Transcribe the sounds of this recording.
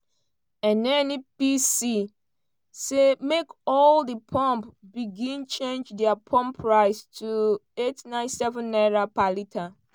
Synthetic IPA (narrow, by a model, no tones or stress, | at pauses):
ɛ̃nɛnipisi | semekɔldəpʰɔ̃mpbiɡĩnt͡ʃẽnd͡ʒdɛapʰɔ̃mpʰːɹaɪstʰuetnãɪ̃nsɛvə̃nːɛɹapalitʰa